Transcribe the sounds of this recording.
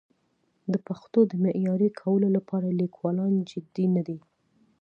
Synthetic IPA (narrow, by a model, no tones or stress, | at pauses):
d̪əpaxt̪od̪əmɪʔjɑɾekʰawəlolapʰɑɾalikwɑlɑnd͡ʒɪd̪inad̪i